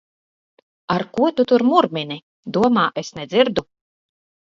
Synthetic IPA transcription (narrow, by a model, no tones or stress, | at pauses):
aɾkuɔt̪ut̪uɾmuɾmʲinʲi | d̪uɔmaːʔesnɛd̪zʲiɾd̪u